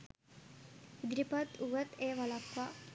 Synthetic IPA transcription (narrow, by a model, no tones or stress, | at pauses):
id̪ɾipat̪uʋət̪eːʋalakʋa